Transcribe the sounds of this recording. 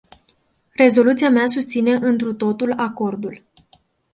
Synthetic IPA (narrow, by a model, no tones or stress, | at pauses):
re̞zo̞lut̪siameasust̪sine̞ʔɨnt̪ɾut̪o̞t̪ulako̞rd̪ul